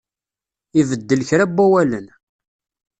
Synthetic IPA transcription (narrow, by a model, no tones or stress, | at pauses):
ivəd̪ːəlçɾæbːæwælən